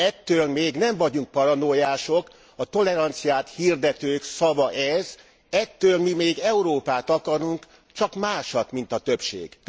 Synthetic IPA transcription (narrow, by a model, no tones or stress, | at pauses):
ɛt̪ːøːlmeːɡnɛɱvɒɟuŋk̚pɒɾɒnojaːʃo̞k | ɒt̪o̞lɛɾɒnt̪sijaːt̪hird̪ɛt̪øːksɒvɒʔɛz | ɛt̪ːøːlmimeːɡɛuɾoːpaːt̪ɒkɒɾuŋk | t͡ʃɒkmaːʃɒt̪min̪t̪ɒt̪øpʃḛːɡ̥